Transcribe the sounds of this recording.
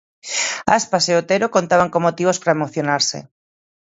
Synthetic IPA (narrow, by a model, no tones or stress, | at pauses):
aspaseot̪eɾokont̪aβaŋkomːot̪iβospɾaemoθjonaɾsḛ